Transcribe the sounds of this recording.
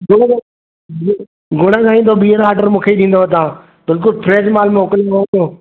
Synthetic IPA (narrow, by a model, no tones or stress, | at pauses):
ɡʊɽkː | ɡʊɽ̃əkʰãːĩːnd̪obiːəɾaːʈəɾmũːkʰeiɗĩːnd̪oət̪̬ãː | bɪlk̬ʊlpʰɾeːd͡ʒmaːlmẽʊkəlaɗijoː